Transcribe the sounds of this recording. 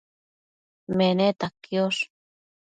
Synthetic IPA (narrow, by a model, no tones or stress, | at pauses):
menet̪akːjos